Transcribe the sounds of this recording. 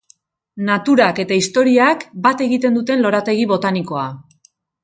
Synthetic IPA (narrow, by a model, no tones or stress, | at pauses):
nat̪uɾake̞t̪aist̪o̞ɾiakbat̪e̞ɣit̪e̞nd̪ut̪e̞nlo̞ɾat̪e̞ɣ̞iβo̞t̪aniko̞a